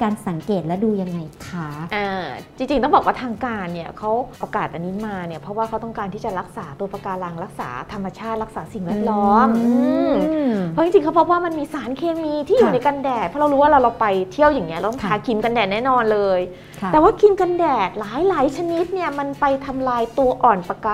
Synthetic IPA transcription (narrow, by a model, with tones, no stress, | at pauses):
kaː˧nsa˩˦ŋkeː˨˩t̪̚lɛ˦˥duː˧ja˧ŋːa˧jkʰʔaː˧˩t͡ɕi˧ŋt͡ɕi˧ŋt̪ɔ˥˩ŋbɔː˨˩kwaː˥˩t̪ʰːŋkaː˧nːi˦˥˩ɐkʰa˦˥wʔoː˧kaː˨˩t̪̚ʔa˧niː˦˥maː˧ni˦˥˩pʰɾɔ˦˥waː˥˩kʰa˦˥wt̪ɔ˥˩ŋkaː˧nt̪ʰiː˥˩t͡ɕa˨˩ɾa˦˥k̚saː˩˦t̪u˧ɐpɾa˧kaː˧laː˧ŋɾa˦˥k̚sa̰ː˩˦t̪ʰa˧mːa˧t͡ɕʰaː˥˩t̪̚ɾa˦˥k̚saː˩˦si˨˩ŋwɛː˥˩t̪̚lɔː˦˥mɯ˧mpʰɔ˦˥i˧ŋt͡ɕi˧ŋkʰa˦˥pʰɔ˦˥waː˥˩ma˧nmiː˧saː˩˦nkʰeː˧miː˧t̪ʰiː˥˩juː˨˩na˧jkaː˧ndɛː˨˩t̪̚pʰɔ˦˥ɾa˧wɾuː˦˥waː˥˩ɾa˧wɾa˧wpa˧jt̪ʰi˥˩əwjaː˨˩ŋnːi˦˥ɐlːt̪ɔ˥ŋt̪ʰaː˨˦ŋkʰi˧mka˧ndɛː˨˩nɛː˥˩nɔː˧nlɤː˧j̪ʰ | ɛː˨˩waː˥˩kʰi˧mkaː˧ndɛː˨˩t̪̚laː˩˦jlaː˩˦jt͡ɕʰa˧ni˦˥t̪̚ni˥˩ɐma˧npa˧jt̪ʰa˧mlaː˧jt̪u˧ɐʔɔː˨˩npa˧kaː˧